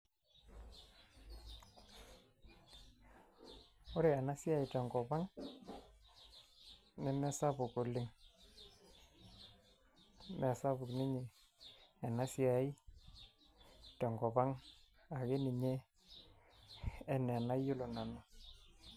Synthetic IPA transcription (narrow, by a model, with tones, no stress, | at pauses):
o˦ɾe˨ɛ˨na˦sja˦i˨tɔ˨ŋɡɔ˨ba˦ŋ | nɛ˦mɛ˦sa˦bʊ˨ko˨lɪ˦ŋ | mɛ˨sa˦bʊ˨knɪ˦ɲɪ˨ | ɛ˨na˦si˦a˨i˦ | tɔ˨ŋɡɔ˨ba˦ŋ | a˨ɡe˦ni˨ɲe˦ | nɛ˨na˦jʊ˦lo˨na˨na˨